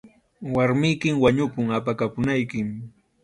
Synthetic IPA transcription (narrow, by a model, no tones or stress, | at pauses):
waɾmɪjkɪmwaɲʊpʊŋapakapʊnajkɪm